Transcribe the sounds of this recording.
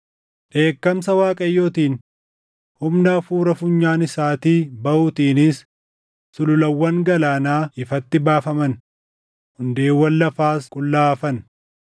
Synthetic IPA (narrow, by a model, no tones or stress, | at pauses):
ᶑe̞ːkːɐmsɐwaːkʼɐjːoːt̪iːn | hʊmnɐfuːɾɐfʊɲːaːnɪsaːt̪iːbɐʔuːt̪iːnɪsː | ʊlʊlɐwːɐŋɡɐlaːnaːɪfɐt̪ːɪbaːfɐmɐn | hʊnd̪e̞ːwːɐnːɐfaːskʼʊlːaːfɐn